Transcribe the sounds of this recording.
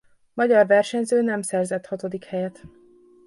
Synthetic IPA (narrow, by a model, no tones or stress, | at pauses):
mɒɟɒrvɛrʃɛɲzøːnɛmsɛrzɛt̪hɒt̪od̪ikhɛjɛt̪